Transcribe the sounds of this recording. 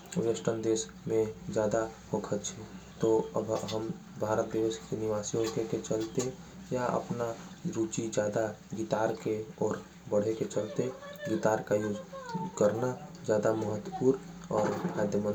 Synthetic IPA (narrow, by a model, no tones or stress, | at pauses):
wesʈənd̪es | mẽd͡ʒjaːd̪aɦokʰət̪t͡ʃʰɛt̪oəbɦəm | bʱaɾət̪̚bəʋeskeniʋasiɦokeket͡ʃəlt̪e | jaʔə̰pnaɾut͡ʃid͡ʒjaːd̪aɡit̪aːɾkeɔːɾ | bəɽ̤eket͡ʃəlt̪eɡit̪aːɾkajokəɾnad͡ʒjaːd̪aməɦət̪wəpuːɾ | ɔːɾbʱad̪jəmən